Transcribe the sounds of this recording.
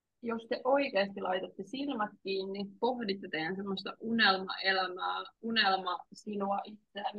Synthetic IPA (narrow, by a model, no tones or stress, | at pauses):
jost̪eʔoikeːst̪ilɑit̪et̪ːesilmɑt̪kiːnːipohdit̪ːet̪eænsemːost̪ɑʔunelmɑ̰elæmæːunelmɑsinuɑʔit̪sææn